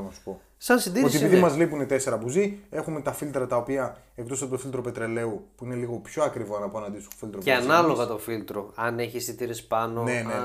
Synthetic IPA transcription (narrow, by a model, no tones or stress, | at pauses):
nɐsu̥po̞ | sɐnsind̪iot̪iepiðimɐzlipunet̪e̞se̞ɾɐbuzie̞xume̞t̪ɐfilt̪ɾɐt̪ɐo̞piɐ | e̞kt̪osɐpet̪ofilt̪ɾo̞pe̞t̪ɾe̞le̞upuineliɣo̞pço̞ɐkɾivoɐnɐpoɐnɐnd̪isuofilt̪ɾoeɐnɐlo̞ɣɐt̪ofilt̪ɾoɐneçisit̪iɾispɐnonene